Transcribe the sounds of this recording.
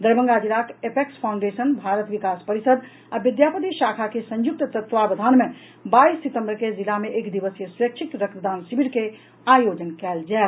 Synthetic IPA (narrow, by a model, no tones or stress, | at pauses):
d̪əɾbə̃ŋɡad͡ʒilakepekspʰaʊ̃ɳɖesənbʱaɾət̪ʋikaspəɾisəd̪ | abid̪japət̪iʃakʰakesə̃ɲjuk̚t̪t̪ət̪ːʋabəd̪ʱanme | baisːit̪ə̃mbəɾked͡ʒilameʔekd̪ibəsjesuɾək̚t͡ʃʰit̪ɾək̚t̪əd̪ansibʱiɽke | ajod͡ʒənkɛld͡ʒae